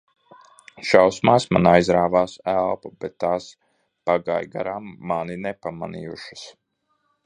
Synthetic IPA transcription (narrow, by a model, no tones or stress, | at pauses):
ʃawsmaːsmanajzɾaːvaːsælˠpabɛt̪ːaːs | paɡa̰jɡa̰ɾamːaninɛpama̰nḭjuʃḁs